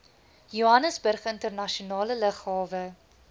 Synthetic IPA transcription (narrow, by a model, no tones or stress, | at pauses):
juɐnəsbərχəntərnɐʃiunɑːlələχɦɑːvə